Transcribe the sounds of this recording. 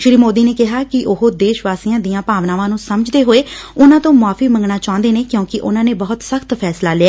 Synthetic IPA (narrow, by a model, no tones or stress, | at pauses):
ʃɪɾiːmoːd̪iːneːkɪɦaːkɪʔʊɦoːd̪eːʃʋaːsijãːd̪ijãːpaːʋnãːʋãːnũːsəməd͡ʒd̪eːɦoːeːʊnãːt̪õːmaːfiːmə̃ŋɡnaːt͡ʃãːnd̪eːneːkjõːkɪʔʊnãːneːbəɦʊt̪səxt̪pʰɛːslaːlɪɛː